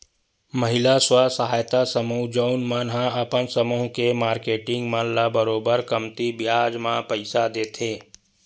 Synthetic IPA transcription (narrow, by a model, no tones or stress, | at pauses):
məɦɪlaswasəɦaːjt̪asəməːd͡ʒoʊnmənɦãɐpənsəməɦkemaːɾkeːʈɪ̃ŋɡmãnlabəɾoːbəɾkəmt̪ibjaːd͡ʒmãpəɪsad̪eːt̪ʰeː